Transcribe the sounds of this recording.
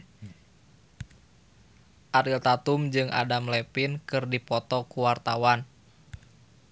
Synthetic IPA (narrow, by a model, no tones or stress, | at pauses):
ʔaɾilt̪at̪umd͡ʒɨŋʔa̰damlɛpinkɨrdipɔt̪ɔkuwart̪awan